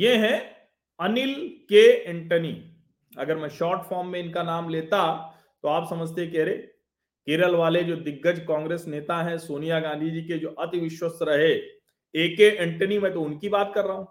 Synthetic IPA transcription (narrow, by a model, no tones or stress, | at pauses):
jeɦɛ̃ | ɐnɪlkeɪ̃ɳʈəni | ɐ̰ɡəɾmɛ̃ːʃɔːɾʈfʰɔːɾmːẽɪnkanaːmleːt̪a | t̪oaːpsɐməd͡ʒʱt̪ekɛɦɾeː | keːɾəlʋaːled͡ʒoːd̪ɪɡːəd͡ʒkãːŋɡɾeːsneːt̪aɦɛ̃soːnijaɡãːnd̪ʱid͡ʒiːked͡ʒoːʔɐt̪ɪʋɪʃwəsɾɐɦe | eːkeʔɪ̃ɳʈənimɛ̃ːt̪̬oʊnkibaːt̪̚kɐɾːaɦũː